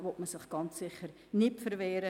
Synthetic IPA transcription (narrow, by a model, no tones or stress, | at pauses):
ʋɔtməsɪχɡ̥ɑnt͡sːɪχəɾ | nɪpfəɾveːɾə